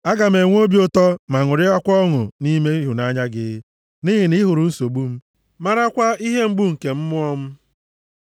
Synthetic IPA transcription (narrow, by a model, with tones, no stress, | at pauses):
a˦ɡa˨me˨ŋʷ˦o˦bji˦ʊ˦tɔ˦ma˨ŋʊ˨ɾɪ˦ɔ˦kʷɔ˦ŋʊ̰˨ni˦me˦ɦʊ˨na˦ɲa˦ɡɪ̰˦ | nɪ˦ɦɪ˨nɪ˦ɦʊ˨ɾʊ˨n̩˦so˨ɡ͡bu˦m̩˦ | ma˦ɾa˦kʷa˦i˦ɦe˦ŋ͡m̩˦ɡ͡bu˦ŋ̩˨ke˨m̩˦mʊ˦ɔ˦m̩˦